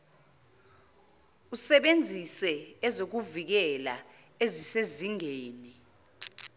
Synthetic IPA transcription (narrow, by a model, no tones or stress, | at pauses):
usɛɓend͡zʱisɛɛzok̬uvik̬ɛla | eziseziŋeːni